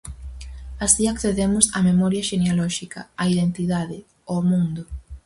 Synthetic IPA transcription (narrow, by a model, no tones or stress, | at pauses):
asiakθeðemʊsamemɔɾjɐʃenealɔʃikɐ̰aiðent̪iðaðɪ | omũnd̪ʊ